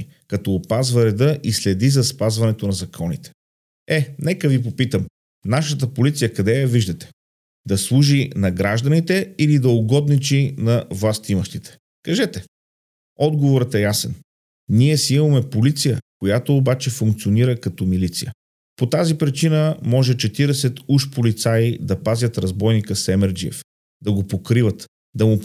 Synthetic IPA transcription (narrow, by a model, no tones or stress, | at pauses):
kɐt̪ɔːpazvɐɾɛd̪ɤʔislɛd̪izɐspazvɐnɛt̪onɐzɐkʰɔnit̪ɛ̥ | ɛnɛkəvip̬opit̪əm | naʃət̪əpolit̪sijəkɐd̪ɛviʒd̪ɐt̪ɛ̥ | d̪ɐslˠuʒinɐɡɾaʒd̪ənit̪ɛilid̪ɐoɡɔd̪nit͡ʃinɐvlˠast̪iməʃt̪it̪ɛ̥ | kɐʒɛt̪ɛ | ɔd̪ɡovoɾət̪ɛjasɛn | niɛsiimɐmɛpolit̪sijəkojat̪oːbat͡ʃɛfuŋkt̪sioniɾəkɐt̪ɔmilit̪sḭjə̰ | pot̪azipɾit͡ʃinəmɔʒɛt͡ʃɛt̪iɾɛsɛt̪uʃpolit̪said̪ɐpazʲjət̪ɾɐzbɔjnikəsɛmɛɾd͡ʒiɛ̰f | d̪ɐɡopokɾivət̪ | d̪ɐmu